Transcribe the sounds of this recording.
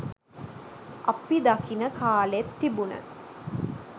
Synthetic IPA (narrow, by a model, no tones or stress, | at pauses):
ʔɐpid̪ɐkinəkaːlet̪ːibunə̰